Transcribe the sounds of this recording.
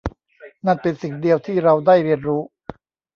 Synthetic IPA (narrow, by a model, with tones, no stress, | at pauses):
na˥˩npe˧nsi˨˩ŋdi˧əwt̪ʰiː˥˩ɾa˧wdaː˥˩jɾi˧ənɾuː˦˥